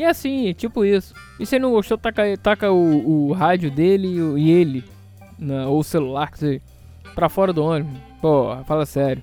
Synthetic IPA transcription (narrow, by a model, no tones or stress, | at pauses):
ɪɛsĩɛt͡ʃipʊisʊ̥ | ɪsenɐ̃w̃ɡoʃt̪ot̪akɐet̪akɐʊːɦad͡ʒʊd̪elɪʊɪelɪ | nɐoʊselulaɾkeze | pɾɐfɔɾɐd̪ʊõnɪm̃pohɐfalɐsɛɾʲjʊ